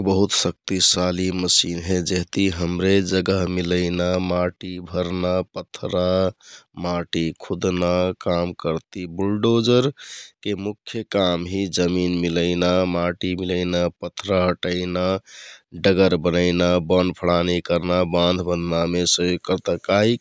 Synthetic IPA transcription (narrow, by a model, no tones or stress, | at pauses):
bəɦut̪sək̚t̪isaliməsinɦẽd͡ʒeɦt̪iɦəmɾed͡ʒəɡəɦmiləɪnamaʈibʱəɾnapət̪ʰːɾa | maʈikʰud̪nakamkəɾt̪ibulɖod͡ʒəɾkemukʰːjəkamɦid͡ʒəminmiləɪnamaʈimiləɪnapət̪ʰːɾaɦəʈəɪna | ɖəɡəɾbənəɪnabənpʰəɽanikəɾnabãnd̪ʱbənːamesəjokəɾt̪əkaik